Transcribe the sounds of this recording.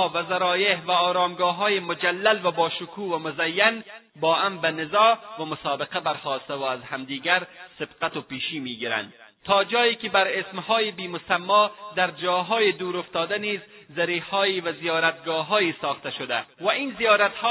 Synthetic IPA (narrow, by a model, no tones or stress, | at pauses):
vazaɾɒːjehvaɒːɾɑːmɡɒːɦɔːjemʊd͡ʒalːalvabɒːʃʊkʰuːvamʊzajːan | bɒːambanɪzɒːvamʊsɑːbɪqabaɾxɔːst̪awʊazhamd̪iːɡaɾsɪbqat̪ʊpiːʃiːmiːɡiɾa̰nd̪ | t̪ʰɒːd͡ʒɒːikɪbaɾesmhɒːjebiːmʊsamːɒd̪aɾd͡ʒɒːɦɒːjed̪uːɾʊft̪ɒːd̪aniːzː | aɾihɒːivazijɒːɾat̪̚ɡɒːɦɒːjisɒːxt̪aʃʊd̪a̰vaiːnzijɒːɾat̪hɔ